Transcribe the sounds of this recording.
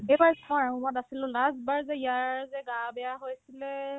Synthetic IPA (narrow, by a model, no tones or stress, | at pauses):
ejbaɹɔɹammɔtasilʊ̃lasbaɹzɛijaɹzɛɡãbɛjaɦojsilɛ